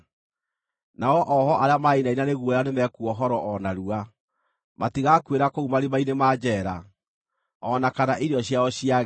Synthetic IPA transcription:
naɔʔɔhɔʔaɾeamainainaneɣwɔjanemɛkuɔɦɔɾɔʔɔnaɾua | matiɣakweɾakoumaɾimainemaːd͡ʑɛɾa | ɔnakanaʔiɾɔɕjaɔɕija

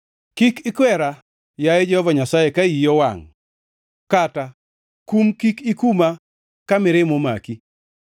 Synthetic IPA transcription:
kikɪkwɛɾa | jaed͡ʒɛhɔvaɲasajekaijɔwa̰ŋ | kata | kumkikikuma | kamɪɾɪmoma̰ki

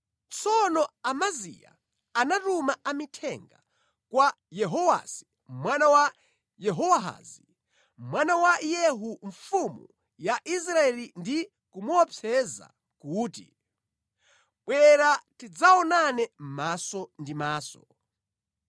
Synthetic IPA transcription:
t͡sʰɔnɔamazḭja̰ | anatumaamitʰɛŋɡa̰ | kwa | jɛɦɔwa̰si̥ | mwanawa | jɛɦɔwaɦa̰ːzi | mwanawajɛɦuɱfumṵ | jaʔis̬ɾaɛlindi | kumuɔpʰɛza̰ | kuːtḭ | ɓwɛɾatid͡zaɔnanɛm̩masɔndimaːsɔ

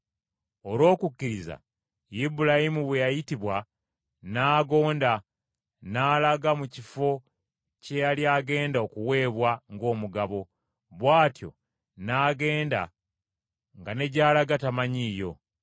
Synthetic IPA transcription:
o̞lwo̞ːkukːiɾiza̰ | jibulajimuβwe̞jajitiβwa | naːɡo̞ːnda | naːlaɡamucifo̞ | ce̞jaljaːɡe̞ːndao̞kuwe̞ːβwaŋɡo̞ːmuɡaβo̞ | βwaːtjo̞̰ | naːɡe̞ːnda̰ | ŋɡane̞ɟaːlaɡatamaɲiːjo̞

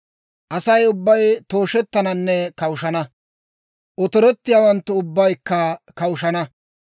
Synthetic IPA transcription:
ʔɐsɐjʊbːɐjt̪o̞ːʃɛt̪ːɐnɐnːɛkɐwʊʃɐnɐ | ʔɔt̪ɔɾɔt̪ːɪjaːwɐnt̪ːʊʊbːɐjkːɐkɐwʊʃɐnɐ

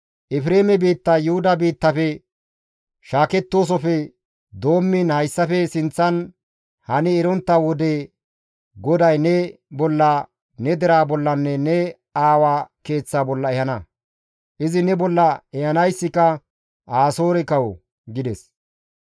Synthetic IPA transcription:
ʔɪfɪɾe̞ːmɛbiːt̪ːɐjʊhʊd̪ɐbiːt̪ːɐfɛ | ʃaːkɛt̪ːo̞ːs̬ɔfɛ | d̪o̞ːmːɪnhɐjsːɐfɛsɪnt͡sːɐn | hɐnɪːɾɔnt̪ːɐwɔd̪e | ɡɔd̪ɐjnɛ | bɔlːɐ | nɛd̪ɛɾaːbɔlːɐnːɛnɛ | aːwaːke̞ːt͡sːaːbɔlːɐɛhɐnɐ | ʔɪzɪnɛbɔlːɐɛhɐnɐjsːɪkɐ | aːso̞ːɾɛkɐwɔ | ɡɪd̪ɛs

